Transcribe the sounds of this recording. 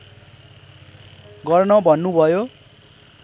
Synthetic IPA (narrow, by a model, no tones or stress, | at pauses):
ɡʌrnʌbʱʌnːubʱʌjo